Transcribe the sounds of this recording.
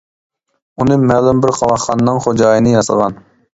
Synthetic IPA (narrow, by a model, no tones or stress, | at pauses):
unɨmɛlumbɪɾqʰɑlɑχχɑnnɨŋχod͡ʒɑːjnɨjɑsə̰ʁɑn